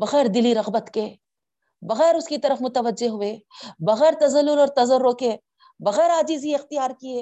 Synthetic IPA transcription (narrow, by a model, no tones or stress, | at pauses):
bɐɣɛːɾd̪ɪliɾɐɣbət̪keː | bɐɣɛːɾʊskit̪ɐɾəfmʊt̪əʋəd͡ʒːeɦʊeːbɐɣɛːɾt̪ɐzɐlːʊɾɔːɾt̪ɐzəɾːoːke | bɐɣɛːɾaːd͡ʒiːziɪxt̪ɪjaːɾkieː